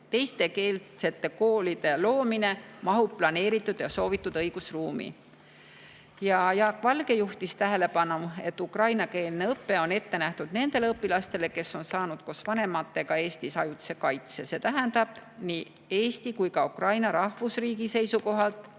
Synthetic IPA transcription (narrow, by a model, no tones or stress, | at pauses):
t̪e̞jst̪e̞ke̞ːlse̞t̪ːe̞ko̞ːlid̪̥e̞lo̞ːmine̞mɑɦupːlɑne̞ːɾit̪ːˑud̪̥jɑso̞ːvit̪ːˑud̪̥ɤjɡ̥usruːmḭ | jɑjɑːkːˑvɑlɡ̥e̞juht̪ist̪æɦe̞le̞pɑnue̞t̪ːukrɑjnɑkeːlneɤpːe̞o̞ne̞t̪ːe̞næht̪ud̪̥ne̞nd̪e̞leɤpːilɑst̪e̞le̞ke̞sːo̞nsɑːnud̪̥ko̞svɑne̞mɑt̪ːe̞ɡɑe̞ːst̪isɑjut̪se̞kɑjt̪sese̞t̪æɦænd̪̥ɑb̥niː | e̞ːst̪ikujkɑukrɑjnɑɾɑhvusriːɡise̞jsuko̞ɦɑlt̪ˑ